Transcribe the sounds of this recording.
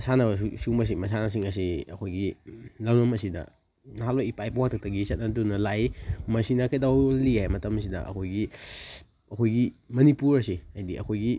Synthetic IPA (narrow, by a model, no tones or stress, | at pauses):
sanɐbsumɐs̬imɐs̬anas̬iŋɐs̬iɐkʰojɡilawnɐmɐsidɐ̰ | naɦalojipajpawaktʰak̚tɐɡisɐt̚nɐtunɐlajmɐsinɐkajdawliajmɐtɐmɐs̬idɐ̰ʔɐ̰kʰojɡi | ɐkʰojɡimɐnipuɾɐsiajdiʔɐ̰kʰojɡi